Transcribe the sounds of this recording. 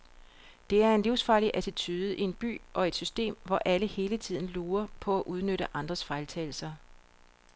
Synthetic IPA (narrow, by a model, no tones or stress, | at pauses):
d̥e̝æɐe̝nliʊsfɑ̈ːliʔæt͡sʰit͡sʰyːðˠəʔie̝nb̥y̰ːʔɒ̽e̝d̥sysd̥e̝̰ːmʋɒʔæləhe̝ːlət͡sʰið̰ˠn̩luːɐpʰɒ̽æʔuð̞ˠnøɾəʔɑ̈nd̥ʁɐsfɑ̈ɪlt͡sʰɛːl̩sɐ